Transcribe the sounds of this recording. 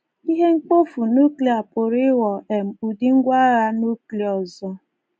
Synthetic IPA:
i˦ɦe˦ŋ͡m̩˦k͡po˦fu˨nu˦kli˨a˨po˨ɾɪ˦wɔ˨e˨m̩˨u˨di˦ŋ̩˦ɡʷa˦ɾa˦nu˦kli˨ɔ˨zɔ˦

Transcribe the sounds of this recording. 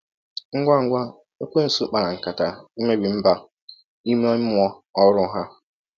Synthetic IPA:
ŋ̩˦ɡʷa˦˨ŋ̩˦ɡʷa˦ | e˦kʷe˦n̩˨su˦k͡pa˨na˨ŋ̩˨ka˨ta˨i˦me˦bi˨m̩˦ba˦ | i˦me˦ɔ˦ɲ˦m˦ɔ˦ɔ˦ɾʊ˦ɦa˦

